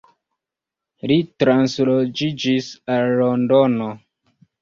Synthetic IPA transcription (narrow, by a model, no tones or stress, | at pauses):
litɾanslod͡ʒid͡ʒisalːondono